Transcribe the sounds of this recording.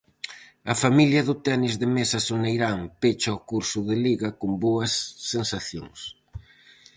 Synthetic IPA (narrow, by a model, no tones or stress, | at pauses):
ɐfamiljɐðʊt̪ɛnizðɪmesɐsonejɾaŋpet͡ʃɐʊkuɾsʊðɪliɣɐkomboɐsːensaθjo̰ŋs